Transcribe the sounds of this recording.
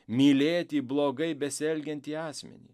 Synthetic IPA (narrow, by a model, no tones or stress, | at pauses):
mʲiːlʲeːt̪ʲiːblˠoːɡɐɪbʲɛsʲɛlʲɡʲɛnʲt̪ʲiːɑːsʲmʲɛ̰nʲḭː